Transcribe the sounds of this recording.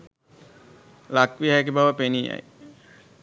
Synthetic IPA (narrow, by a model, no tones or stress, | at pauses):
lakʋiak̬ibawapenia̰j